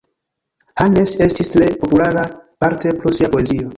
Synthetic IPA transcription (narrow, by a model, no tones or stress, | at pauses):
hane̞se̞stistɾe̞po̞pulaɾapaɾte̞pɾosiapo̞e̞zio̞